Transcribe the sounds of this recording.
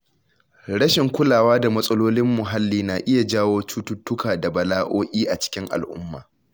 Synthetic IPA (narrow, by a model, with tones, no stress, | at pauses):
ɽɐ˦ʃɪ˨ŋkʷʊ˦laː˨waː˦da˨mɐ˦sʼɐ˦loː˦lɪ˦mːʊ˨ɦa˦lːiː˦na˨ʔɪ˦ja˨d͡ʒaː˦woː˦t͡ʃuː˦tʊ˦tːʊ˦kaː˨da˨bɐ˨laː˦ʔoː˦ʔʲʼiː˦ʔa˨t͡ʃɪ̥˦kʲɪ˦ŋʔa̰˨lʔʊ̰˦mːa̰ː˨